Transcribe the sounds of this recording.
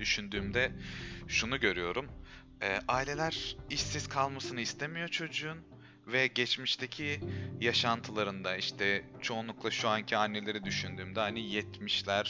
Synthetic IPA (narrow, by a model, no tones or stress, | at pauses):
d̪yʃynd̪yːmd̪ɛʃunuɟø̞ɾyjo̞ɾum | ɛːʔaːilʲe̞lʲæɾ̥iʃsiz̥kʰalˠmasɯnɯist̪ʰemijo̞t͡ʃʰo̞d͡ʒuun | vɛɟɛt͡ʃmiʃt̪ʰe̞cʰijaʃant̪ʰɯlˠaɾɯnd̪aiʃt̪ʰɛ | t͡ʃʰo̞unˠuklˠaʃuancʰianːe̞lʲe̞ɾɛd̪yʃynd̪yːmd̪ɛɦanijɛt̪miʃlʲæɾ̥